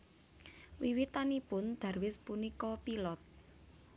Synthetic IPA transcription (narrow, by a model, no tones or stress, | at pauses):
wiwit̪anipʊnd̪̥ä̤rwɪspunikɔpilɔt̪̚